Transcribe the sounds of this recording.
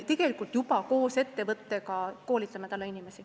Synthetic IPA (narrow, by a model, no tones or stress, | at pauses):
t̪e̞ɡe̞likˑult̪jupɑko̞ːse̞t̪ːe̞vɤt̪ːekɑko̞ːlʲit̪sɑmet̪ɑlːeinimesi